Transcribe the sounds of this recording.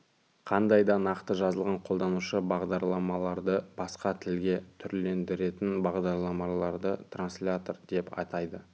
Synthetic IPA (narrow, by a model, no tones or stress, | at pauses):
qʰɑnd̪ɑjd̪ɑnɑqt̪əʒɑzəlˠʁɑɴqʰo̞lˠd̪ɑnuʃəbɑʁd̪ɑɾlˠɑmɑlˠɑɾd̪əb̥ɑsqɑt̪ʰɪlɡʲe̞t̪ʰʏɾle̞nd̪ɪɾe̞t̪ɪnbɑʁd̪ɑɾlˠɑmɑlˠɑɾd̪ət̪ranslʲat̪ord̪e̞pɑ̰t̪ɑjd̪ə